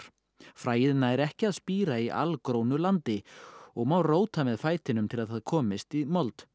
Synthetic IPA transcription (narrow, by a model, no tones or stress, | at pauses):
ɾ̥ | fɾaːjɪðnːaɛɾɛhcɪaðspiːɾaiʔa̰lkɾoːwnʏlant̪ɪɔɣmawroːwt̪amɛðfaːjt̪ɪnʏmt̪ʰɪlaðθaðkʰɔːmɪst̪imɔlt̪